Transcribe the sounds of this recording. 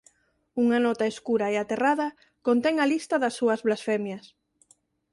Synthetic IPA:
uŋanɔt̪aeskuɾaeat̪eraðɐ | kont̪eŋalist̪ɐðasːuɐzβlasfemjas

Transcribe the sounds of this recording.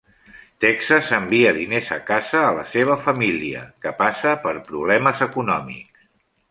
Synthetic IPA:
t̪ɛksasəmbiəðinezəkazəːləseβ̞əfəmiliə̰kəpasəpəɾpɾuβlɛməzəkunɔmḭks

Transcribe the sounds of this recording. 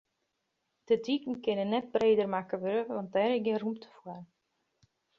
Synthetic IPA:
d̥ədikn̩kɪnənːɛt̚breːdərmakəʋøɾəʋɑnt̚dɛɾɪɡɪrumtʰə̥fwər

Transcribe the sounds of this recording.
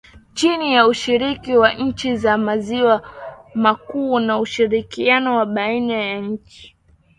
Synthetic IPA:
t͡ʃinijauʃiɾikiwaɲ̩t͡ʃizamaziwamakuːnauʃiɾikianɔwaɓainajaɲ̩t͡ʃi̥

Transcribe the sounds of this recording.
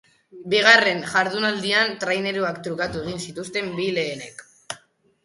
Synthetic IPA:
biɣ̞are̞nʝaɾðunald̪iant̪ɾajne̞ɾuakt̪ɾukat̪ue̞ɣ̞insit̪ust̪e̞mbile̞ːne̞k

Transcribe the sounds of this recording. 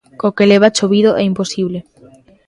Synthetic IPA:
kokeleβat͡ʃoβiðoʔɛimposiβle

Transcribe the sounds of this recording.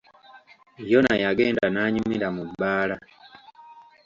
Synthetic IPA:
jonajaɡeːndanaːɲumiɾamubːaːla

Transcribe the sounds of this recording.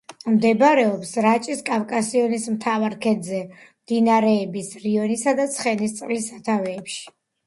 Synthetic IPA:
md̪ɛbɾɛɔpsɾat͡ʃʼiskʼafkʼasiɔnismt̪ʰavaɾkʰɛd̪zɛmd̪inaɾɛːbisɾiɔnisad̪at̪sʰχɛnist̪sʼlisat̪ʰavɛːpʃi̥

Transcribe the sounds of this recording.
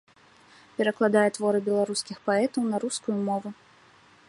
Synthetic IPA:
pʲɛɾɐklˠad̪ajɛt̪vɔɾɨbʲɛlˠaɾuskʲixpaɛt̪ɐwnɐɾuskujumɔvu

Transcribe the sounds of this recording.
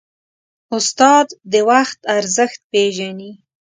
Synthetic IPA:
ʊst̪ɑd̪ːəwaxt̪aɾzəxt̪̚peʒani

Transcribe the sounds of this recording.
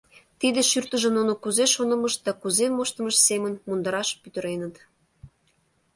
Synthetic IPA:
t̪id̪eʃyrt̪ə̆ʒə̆nonokuzeʃonə̆mɤ̆ʃd̪ɑkuzemoʃt̪ə̆məʃsemə̆nmund̪ɤɾɑʃpyt̪ə̆ɾenə̆t̪

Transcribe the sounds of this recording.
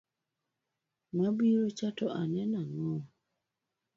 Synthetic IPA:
mabiɾot͡ʃatɔʔanɛnaŋɔ̃

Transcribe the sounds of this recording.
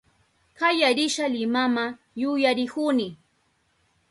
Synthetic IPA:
kajaɾɪʃalɪmama | jʊjaɾɪkunɪ

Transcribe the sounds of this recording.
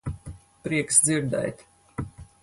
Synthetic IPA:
pɾiɛksd̪ziɾd̪ɛ̰jt̪ʲ

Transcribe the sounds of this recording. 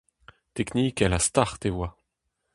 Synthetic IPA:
t̪ɛkniːkɛlast̪aʁt̪ewa

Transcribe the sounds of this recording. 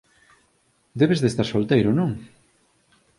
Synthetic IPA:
d̪eβezðest̪aɾsolt̪ejɾonõŋ

